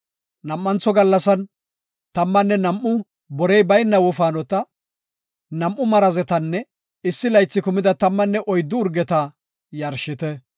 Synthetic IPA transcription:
nɐmːɐnt͡sːɔɡɐlːɐsɐn | t̪ɐmːɐnːɛnɐmʔːʊ | bɔɾɛjbɐjnːɐwɔfaːnɔt̪ɐ | nɐmʔʊmɐɾɐzɛt̪ɐnːɛ | ɪsːɪlɐjt͡sːɪkʊmɪd̪ɐt̪ɐmːɐnːɛʔɔjd̪ːʊːɾɡɛt̪ɐ | jɐɾʃɪt̪ɛ

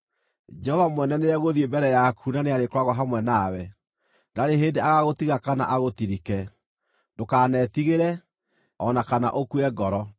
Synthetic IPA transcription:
d͡ʒɛhɔvamwɛnɛneɾɛɣoðiembɛɾɛjakʰunaneaɾekwaɣwɔɦamwɛnawɛ | naɾeɦendeaɣaɣotiɣakana̰ʔaɣotiɾikɛ | dokaːnɛtiɣeɾɛ | ɔnakana̰ʔokuɛɡɔɾɔ

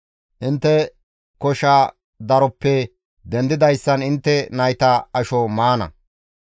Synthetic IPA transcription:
ʔɪnt̪ːɛ | kɔʃa | d̪ɐɾɔpːɛ | d̪ɛnd̪ɪd̪ɐjsːɐnɪnt̪ːɛnɐjt̪ɐɐʃɔmaːnɐ̰

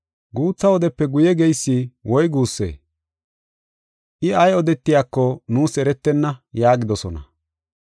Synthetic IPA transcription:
ɡuːt͡sːɐɔd̪ɛpːɛɡʊjɛɡɛjsːiwɔjɡuːsːḛː | ʔɪɐjɔd̪ɛt̪ːɪjaːkːɔnuːsɛɾɛt̪ːɛnːɐjaːɡɪd̪ɔsɔnɐ̰

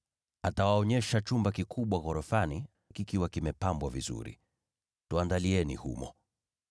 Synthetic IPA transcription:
atawaɔɲɛʃat͡ʃumbakikʰuɓwaɣɔɾɔfani | kikiwakimɛpambwavizṵɾḭ | tuandaliɛnḭhṵmɔ̰

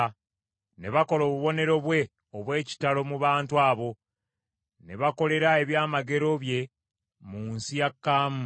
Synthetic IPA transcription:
ne̞βako̞lo̞ːβuβo̞ne̞ɾo̞βwe̞ | oβwe̞ːci̥talo̞muβaːntuaːβo̞ | ne̞βako̞le̞ɾae̞βjaːmaɡe̞ɾo̞βje̞ | muːnsijakːaːmu

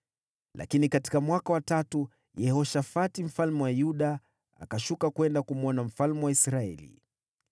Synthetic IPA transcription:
lʔa̰kinikati̥kamwakawatatu | jɛhɔʃafatim̩falmɛwajuɗa | a̰kaʃukakwɛndakumuɔnam̩falmuwaisɾaɛ̰lḭ

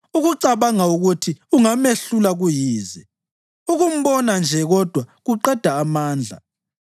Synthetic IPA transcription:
uɣuǀaβaŋauɣutʰiuŋameɬulaɣujiːzɛ | uɣum̩βɔnand͡ʒʱɛɣɔd̥ʱwaɣuǃɛd̥ʱaːmaːnd͡ɮʱa̰

